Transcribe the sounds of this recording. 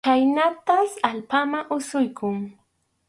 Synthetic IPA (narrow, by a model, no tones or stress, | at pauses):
kajnat̪asalpamaʔʊsʊjkʰʊŋ